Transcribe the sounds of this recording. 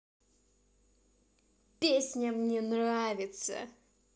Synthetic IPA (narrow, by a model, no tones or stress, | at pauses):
pʲesʲnʲəmnʲenravʲɪt̪sə̰